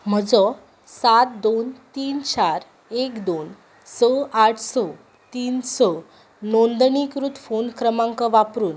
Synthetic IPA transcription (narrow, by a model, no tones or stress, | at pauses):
m̤əd͡zɔ | sat̪̚d̪ont̪iːnt͡ɕaɾ | ekd̪on | səaʈʰsɔ | t̪iːnsɔ | nond̪nikɾut̪fonkɾəmãŋkɔʋapɾuːn